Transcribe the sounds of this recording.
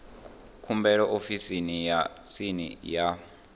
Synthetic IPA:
kʰumbɛɺɔʔofisinijat͡sʰinḭja

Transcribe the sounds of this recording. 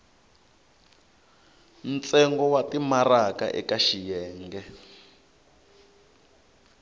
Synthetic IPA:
n̩t͡sɛŋɡɔwatimaraka̰ʔɛ̰kaʃijɛːŋɡɛ

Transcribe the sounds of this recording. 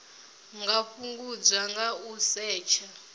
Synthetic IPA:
ŋɡaɸuŋɡud͡zaŋɡausɛːt͡ʃʰa

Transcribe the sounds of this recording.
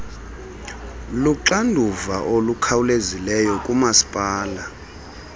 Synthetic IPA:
luǁandʱuvaʔolukʰawulezilɛjɔkʼumasi̥pʼaːla

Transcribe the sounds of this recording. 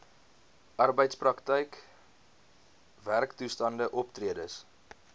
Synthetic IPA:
ʔɑrbəjtsprɐktəjk | værktustɐndəʔɔptriədəs

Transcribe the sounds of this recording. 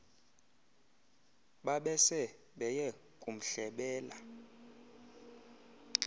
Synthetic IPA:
ɓaɓɛsɛ | ɓɛjɛ | kʼum̩ɬɛɓɛːla

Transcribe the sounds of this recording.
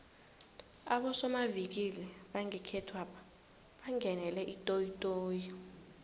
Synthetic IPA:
aɓɔsɔmavik̬ilɛɓaŋɛkʰɛtʰwapʰḁ | ɓaŋɛnɛlɛʔitʼojitʼoːji

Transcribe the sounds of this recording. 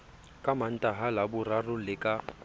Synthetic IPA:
kʼaman̩tʼaɦalabʊrarʊlɪkʼa

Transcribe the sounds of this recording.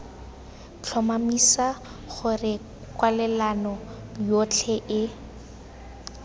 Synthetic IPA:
t͡ɬʰɔmamisaχʊrɪ | kwalɛlanɔjot͡ɬʰɛʔɪ

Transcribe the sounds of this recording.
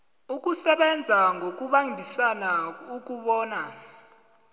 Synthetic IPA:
uk̬ʼusɛɓɛnd͡zʱaŋʱok̬ʼuɓaŋdʱisanauk̬ʼuɓɔːna

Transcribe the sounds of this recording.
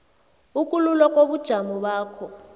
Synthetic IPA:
ukʼululɔkʼoɓud̥ʒ̥ʱamuɓaːkʰɔ

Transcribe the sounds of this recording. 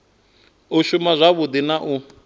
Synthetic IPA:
uʃumazʷaβʊd̪inaʔu

